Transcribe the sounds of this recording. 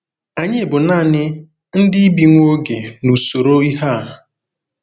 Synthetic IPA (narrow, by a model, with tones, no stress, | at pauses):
a˨ɲɪ˦e˨bʊ˨na˦˨nɪ˦ | n̩˦dɪ˦bi˨ŋʷo˦ɡe˨nu˨so˨ɾo˦i˦ɦa˦˨ɦʊ˨